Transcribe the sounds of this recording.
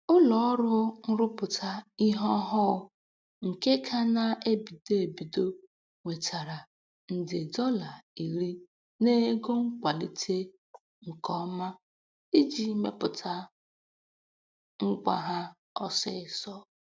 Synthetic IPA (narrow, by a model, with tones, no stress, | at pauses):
ʊ˦lɔ˨˦ɔ˦ɾʊ˦n̩˦ɾʊ˦pʊ˨tʰa˦i˦ɦɔ˦ɦɔ˦˨˦ | ŋ̩˨ke˦kʰa˦na˦˨e˦bi˨de˦e˨bi˨do˦ | ŋʷe˨tʰa˨ɾa˨ | n̩˨dɪ˨dɔ˦la˨i˨ɾi˦ | ne˦ɡo˦ŋ̩˦kʷa˨li˦tʰe˦ | ŋ̩˨kɔ˦ma˦ | i˦d͡ʒi˨˦me˦pʊ˨tʰa˦ | ŋ̩˦ɡ͡ba̰˨ɦa˦ | ɔ˦sɪ̰˦˨sɔ˦